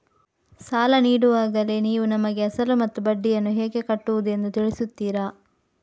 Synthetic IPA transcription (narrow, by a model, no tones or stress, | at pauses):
saːlɐniːɽuʋaːɡɐle̞niːʋunɐmɐɡeɐsɐlumɐt̪ːubɐɖːijɐnːuɦɛːɡe̞kɐʈːuʋud̪ue̞nd̪ut̪iɭisut̪ːiːɾa